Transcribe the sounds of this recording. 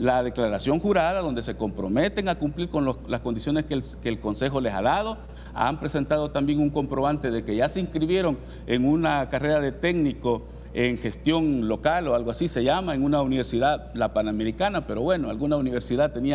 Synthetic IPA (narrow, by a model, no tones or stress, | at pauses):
laðe̞klaɾasjo̞ŋxuɾaðaðo̞nd̪e̞se̞ko̞mpɾo̞me̞t̪e̞ŋakumpliɾko̞nlolasko̞nd̪isjo̞ne̞skekelko̞nse̞xo̞le̞sa̰ðað̞o | a̰mpɾe̞se̞nt̪aðo̞t̪ambjeŋuŋko̞mpɾo̞βant̪e̞ðe̞ke̞ʝaseiŋkɾiβjeɾo̞ŋ | e̞ŋunakare̞ɾaðe̞t̪e̞ɡniko | eŋxe̞st̪jo̞ŋlo̞kalo̞alɣoasise̞ʝamaeŋunauniβe̞ɾsiðaðlapaname̞ɾikanape̞ɾo̞βwe̞no̞alɣunauniβ̞e̞ɾsiðat̪e̞nia